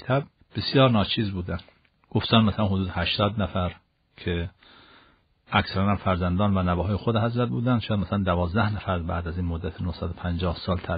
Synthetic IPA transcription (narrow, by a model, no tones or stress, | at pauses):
t̪ʰæb̚ | b̥esjɒːɾnɒːt͡ʃʰiːzbuːd̪ænd̪ | ɡ̥oft̪ænmæsælænhod̪uːd̪ehæʃt̪ɒːd̪næfæɾ | cʰe | ʔæksæɾænæmfæɾzænd̪ɒːnvænæbæːɦɒːjexod̪ehæzɾæt̪̚buːd̪ænd̪ʃɔjæd̪mæsælænd̪ævɒːzd̪æhnæfæɾbæ̰ːd̪æziːnmod̪ːæt̪ʰenohsæd̪opʰænd͡ʒɒːhsɒːlt̪ʰæ